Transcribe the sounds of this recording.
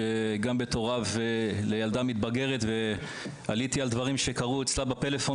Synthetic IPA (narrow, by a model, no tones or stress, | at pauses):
eɡambe̞t̪o̞ʁavelejald̪amit̪baɡe̞ʁet̪ve | alit̪iald̪vaʁimʃe̞kaʁuet͡slabape̞lefo̞